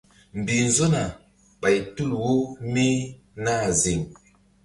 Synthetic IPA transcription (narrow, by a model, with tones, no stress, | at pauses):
m̩˨bi˨n̩˨zo˦na˨ | ɓa˨ji˨tu˦lwo˦mi˦ | na˦˨zi˨ŋ